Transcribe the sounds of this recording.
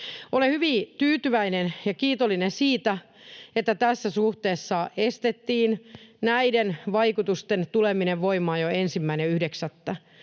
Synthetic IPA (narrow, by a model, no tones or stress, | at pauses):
ʔolehyʋit̪yːt̪yʋæinenjɑkiːt̪olːinensiːt̪æ | et̪ːæt̪æsːæsuht̪eːsːɑest̪et̪ːiːnnæidenʋɑikut̪ust̪ent̪ulemineʋʋoimɑːjoensimːæineyhdeksæt̪ːæ